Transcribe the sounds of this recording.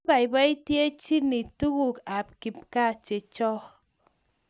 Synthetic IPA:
ba˨i˨ba˦i˦tje˦t͡ʃi˦ni˨tu˦ɣu˦ka˨p̚ki˨p̚ka˦˨t͡ʃe˨t͡ʃɔ˦

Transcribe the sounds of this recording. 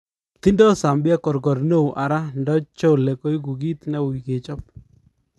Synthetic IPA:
t̪i˦ndɔ˦sa˨mbja˦kɔ˨ɾɡɔ˨ɾno˦wʔa˨ɾa˦ndɔ˦t͡ʃo˦˨lɛ˨ko˦i˦ku˨ɡi˦t̪nɛ˦wi˨ke˨t͡ʃɔ˦p̚

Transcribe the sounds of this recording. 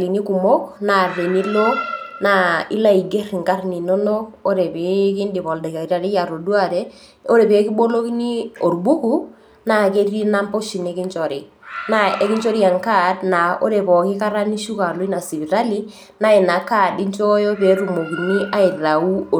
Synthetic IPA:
li˨ni˦ku˨mo˦kna˨re˨ni˦lo˦na˨ḭ˦la˦i˨ɡe˦rŋka˦rni˨no˦no˦ko˦ɾe˨pe˨˦kɪ˦ndɪ˨pɔ˨lda˨ka˨˦ɾa˨ɾe˦ja˨ɾo˨du˦a˦˨ɾe˦ | o˦ɾe˨peː˨˦kɪ˦bo˦lo˦ki˦ni˦o˨ɾbu˦ku˦ | na˦˨ke˦ɾi˦na˦mpo˦ʃi˨ne˦kɪ˦ɲt͡ʃɔ˨ɾɪ˨ | na˦e˦kɪ˦nt͡ʃo˦ɾi˦a˨ŋka˦dna˨o̰˦ɾe˨pɔ˨kɪ˦ka˦ɾa˦ni˦ʃu˦ka˨lɔ˦i˦na˨si˨bi˨ɾa˦li˦ | na˦e˨na˨ka˦˨di˦ɲt͡ʃɔ˦jo˦pe˨˦ɾu˨mo˨ki˨ni˦ʔa˦ɪ˨ða˨u˦o˨

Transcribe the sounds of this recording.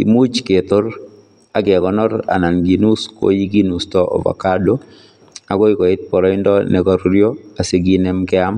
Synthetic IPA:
ki˨mu˦t͡ʃke˨t̪o˦ɾ | a˨ɡɛ˨ɡɔ˨nɔ˦ɾa̰˨na˨nɡi˨nu˦sko̰ji˦ɡi˦nu˨stɔ˦ʔɔ̰˨va̰˨ka˦do˦ | a˨ɡo˦i˦kɔ˨ɪ˦t̪̚pɔ˨ɾɔ˦ɪ˦ndɔ˦nɛ˨kɔ˦ɾɾjo˦a˨se˦ɡi˦nɛ˦mkɛ˦a˦m

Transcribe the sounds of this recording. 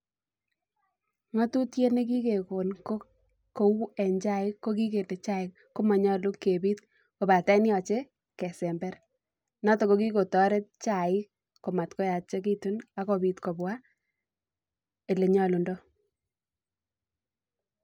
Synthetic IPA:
ŋɔ˦tu˦tje˦ne˦k̬i˦ke˨ko˨nko˦ | ko˦wu˦ɛ˨ɲd͡ʒa˦ɪ˦kːo˦k̬i˦k̬e˨ne˨t͡ʃa˦ɪ˦ | ko˦mɔ˨ɲɔ˦lu˦ke˨biː˦t̚ | ko˨ba˨tɛ˦njɔ˨t͡ʃe˦ | kɛ˨sɛ˨mbɛ˦ɾ | nɔ˦tɔ˨ko˦ki˦ko˨tɔ˦ɾe˦t̚t͡ʃa˨ɪ˦ | ko˨ma˨tkɔ˦ja˨t̚t͡ʃe˦k̬i˦tu˦na˦kɔ˨bi˦tko˨bwa˦ | e˨le˨ɲɔ˦lu˨ndɔ˦

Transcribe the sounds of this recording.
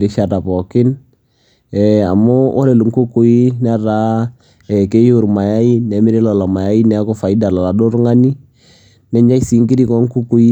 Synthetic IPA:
ɾi˦ʃa˨ta˨pɔ˨kɪ˦n | ɛ˨a̰˨mɔ˦wɔ˦ɾɛ˨lu˨ŋku˦ku˦i˦nɛ˦ɾa˦ | ɛ˨ke˦ju˨ɾma˨ja˦i˦nɛ˨˦mɪ˦ɾi˦lɔ˨lɔ˨ma˨ja˦i˦nɛ˨˦kɔ˦fa˨i˦da˨lɔ˨la˨do˦ɾŋa˦ni˦ | nɛ˨˦ɲa˦i˦si˨˦ŋki˦ɾi˦kɔ˦ŋ˦ku˦ku˦i˦

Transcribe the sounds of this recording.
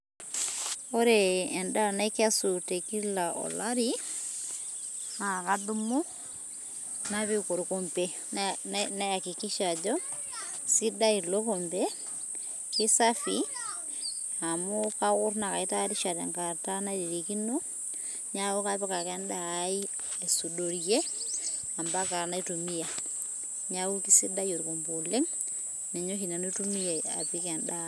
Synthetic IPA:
o˦ɾeː˨nda˦˨na˦i˦ka˦su˨te˨ki˦la˨ʔɔ̰˨la˦ɾi˦ | a˨ka˦du˦mo˦ | na˦βe˦ko˨ɾu˨ko˨mbe˦ | na˦ja˨ki˨ki˦ʃa˨d͡ʒɔ˦ | si˦da˦i˨lo˦ko˨mbe˦ | kɪ˦sa˦fi | a˨mo˦ka˦ɣʊ˦ɾna˨ka˨i˦ta˦ɾi˦ʃa˨ɾɛ̰˨ŋka˨ta˦na˦ɾi˨ɾi˨ki˦no˦ | ɲa˦o˦ka˦pɛ˦ka˨kɛ˦nda˦˨˦i˦ | e˨su˨do˨ɾje˦ | a˨mba˦ka˨ɾa˨na˦i˦tu˨mi˦ja˨ | ɲa˦u˦ki˦si˦da˦jo˨ɾko˨mbo˨le˦ŋ | nɛ˨ɲo˦hi˨na˨no˦tu˦mi˦ja˨a̰˨pi˦kɛ˨nda˦

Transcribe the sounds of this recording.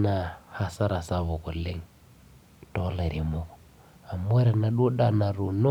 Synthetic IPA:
na˨ha˦sa˦ɾa˨sa˨βo˨ku˨le˦ŋ | to˦le˨ɾi˨mo˦kɔ̥˨ | a˨m˦e˦ɾa˨na˨ɗu˦ɗa˦na˨ɾu˨no˦

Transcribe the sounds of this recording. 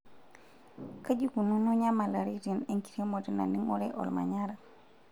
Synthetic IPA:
ka˦d͡ʒiku˨nu˦no˦ɲa˦ma˨la˨ɾi˦tineŋki̥˨ɾe˦mo˨ti˦na̰˨ni˦ŋo˦ɾeʔo̰˨lma̰˨ɲaɾa˨

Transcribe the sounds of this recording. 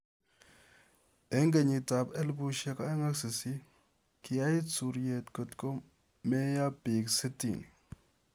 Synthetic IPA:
e˨˦ŋɡe˨ɲi˨ta˨be˦lbu˦ʃe˦ka˦e˦ŋa˦ksi˨si˦ | kʰi˨ja˦ji˦t͡su˨ɾje˨tko˨tko˦ | me˦ja˦bi˨ksi˦tḭ˨ni˨

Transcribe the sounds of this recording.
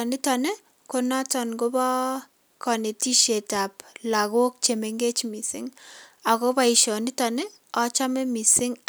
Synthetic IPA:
ni˦tɔ˨ne˦ | kona˦tɔ˨nɡo˦bɔ˦ | kɔ˨ne˨ti˦ʃe˨ta˨p̚la˨ɣo˦k̚t͡ʃe˨me˨ŋɡe˦t͡ʃmi˨sɪ̰˦ŋa˨ko˦ba˦iʃɔ˨ni˦tɔ˨ne˦ | ɔ˦t͡ʃa˦me˦mi˨sɪ˦ŋ

